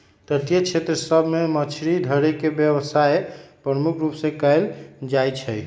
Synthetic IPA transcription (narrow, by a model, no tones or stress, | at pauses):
t̪ət̪ijət͡ʃʰet̪ɾəsəbʱmemət͡ʃʰɾid̪ʱəɾekebjəbəsaepɾəmukʰɾupsẽkəɪld͡ʒajt͡ʃʰəj